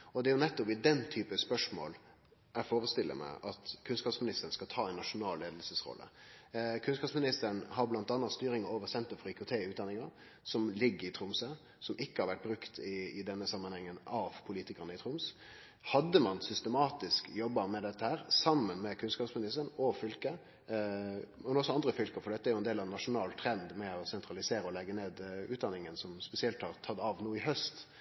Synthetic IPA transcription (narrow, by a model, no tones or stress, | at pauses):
ɔd̪ɛɾjʊnɛt̪ːʊpɪd̪ɛnt̪ʰyːpəspœʂmo̰ːl | æfoːɾəst̪ɪlːə̰mæ̰ɪʔɑt̪kʰʉnskɑːpsmɪnɪst̪ən̩skɑt̪ʰɑːɛɪnːɑʂʊnɑːlleːd̪lsəsɾɔ̰lːə̰kʰʉnskɑːpsmɪnɪst̪əɳhɑɾblɑnt̪ɑnːɑst̪yːɾɪŋəoːʋəsɛnt̪əɾfɔɾiːkʰʊt̪ʰeːʉːt̪d̪ɑnɪŋɑ | sɔmlɪɡːəɾɪt̪ʰɾʊmsə | sɔmʔɪkːəhɑɾʋæʈ̚bɾʉkt̪ɪɪd̪ɛnːəsɑmːənhɛŋːənɑʋpʰʊliːt̪ɪkəʁnəɪt̪ʰɾʊms | hɑd̪ːəmɑnsʏst̪əmɑːt̪ɪskjɔbːəmɛd̪ɛt̪ːəhæːɾsɑmːənmɛkʰʉnskɑːpsmɪnɪst̪ənɔfʏlkə | mɛnɔsːɔɑnd̪ɾəfʏlkəfɔɾɖ̪ɛt̪ːəæɾjʊɛnd̪eːlɑʋnːɑʂʊnɑːlt̪ʰɾɛnd̪mɛɔsɛnt̪ɾɑlɪseːɾəɔlɛɡːəneːd̪ʉːt̪̚d̪ɑnːɪŋənsɔmspɛsɪɛlt̪hɑʁt̪ʰɑd̪ɑʋnuːəɪɦœst̪